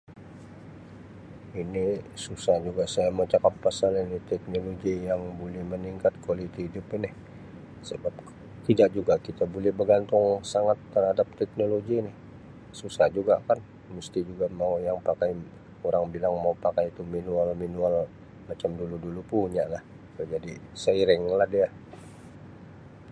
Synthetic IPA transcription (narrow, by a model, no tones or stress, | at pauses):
inisusahd͡ʒuɡasajamot͡ʃakapːasalinit̪ɛk̚noloɡijaŋbolɛhməniŋkat̪̚kolit̪iidʊpɪnɪh | səbap̚ | t̪idaʔd͡ʒuɡakit̪abolɛhbəɡant̪ʊŋsaŋat̪ːərhadap̚t̪ɛk̚noloɡinɪh | susahd͡ʒuɡakan | must̪id͡ʒuɡamaujaŋpakaj | oɾaŋbilaŋmaupakajt̪uminualminual | mat͡ʃamduludulupuɲalah | t̪ud͡ʒadisəiɾɪŋlahdia